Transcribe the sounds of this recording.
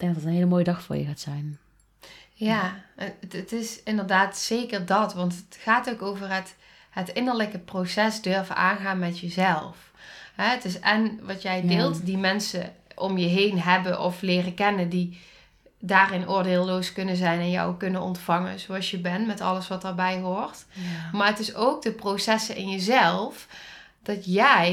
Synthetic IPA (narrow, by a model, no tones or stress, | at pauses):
ɡd̥ɛɡ̚dtənɦeːləmoːjədɑxfʊ̰ːɹjə̰ɣaːtsɛjn | jaːətətɪsɪndəɹdaːtseːkəɹdɑtʋɑntətxaːtowkowvərɦət | ɦətɪnəɹləkəprosɛsdøɹvəa̰ːnɣaːnmɛtjəzɛlˠf | ɦɛətɪsɛnʋɑtjɛjdeːlˠtdimɛnsə̰ʔɔmjəɦejnɦɛbənʔɔflɪːrəkɛnəndi | daːrɪnʔʊːɹdeːlˠloːskɵnəzɛjnɛnjɔ̰wkɵnənɔ̰ntfɑŋə̰nzoɑlˠsjəbɛntmɛtɑ̰ləsʋɑtəːɹbɛjɦoːɹtmaːɹətɪsowk̚dəprowsɛsəɪ̰njəzɛlˠf | d̥ɑtjɛj